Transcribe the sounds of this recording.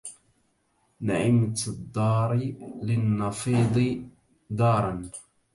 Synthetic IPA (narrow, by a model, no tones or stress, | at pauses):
naʕɪmt̪d̪ːɑːɾˤlɪnːɑfiːd̪ˤɨ | d̪ɑːɾˤɑn